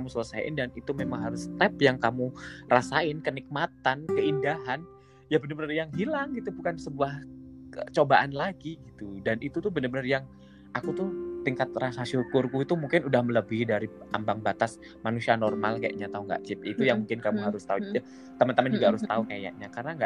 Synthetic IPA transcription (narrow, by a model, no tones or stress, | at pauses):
kamusələsaɪ̰ndanit̪umemaŋɦaɾʊst̪ɛpjaŋkamurasaɪnkənik̚mat̪ankəindaɦan | jabənərbənərjaŋɦilaŋɡit̪ubukansəbuah | t͡ʃobaʔanlaɡiɡit̪udanit̪ut̪ʊhbənərbənərjaŋ | ʔakut̪ʊht̪iŋkat̪̚rasaʃukʊrkuit̪umuŋkɪnudahmələbihdaɾia̰mbaŋbat̪as | manusianɔrmalkaja̰ʔɲat̪auŋɡa̰ʔt͡ʃɪp̚it̪ujaŋmuŋkɪnkamuɦaɾʊst̪aud͡ʒud͡ʒa | t̪amant̪əmand͡ʒuɡahaɾʊst̪aukaja̰ʔɲakarnaŋɡaʔ